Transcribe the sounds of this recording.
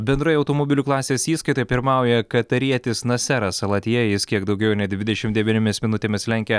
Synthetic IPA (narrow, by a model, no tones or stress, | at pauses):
bʲɛnd̪ɾoːjɐʊt̪omoɔbʲɪlʲuːklˠɑːsʲeːsiːskɐɪt̪oːjɛpʲɪɾmɑˑʊjɛkɐt̪ɐɾʲiɛt̪ʲɪsnɐsʲæɾɐsɐlˠɐt̪ʲijɛjjɪskʲiɛkd̪ɒʊɡʲɛʊnʲɛd̪ʲʋʲɪd̪ʲɛʃʲɪmt̪d̪ʲɛʋʲiːnʲɪmʲɪsmʲɪnʊt̪ʲeːmʲɪslʲɛŋʲkʲɛ